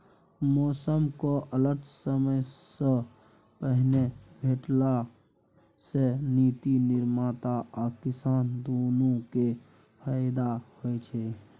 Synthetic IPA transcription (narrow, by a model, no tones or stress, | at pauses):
mɔːsəmkoʔələɾʈ̪ʰsəməjsə | pəɦnebʱeːʈla | seniːt̪inɪɾmaːt̪aʔɔɾkɪsaːnd̪oːnõke | pʰaːɪd̪ahoet͡ʃʰɛ